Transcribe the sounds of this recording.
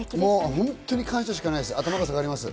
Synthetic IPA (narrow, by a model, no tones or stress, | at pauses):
moːɦõnt̪ːoɲ̟ikʰãɰ̃ɕaɕ̬i̥kanajd̪esɨat̪amaɡas̬aɡaːɾʲimasɨ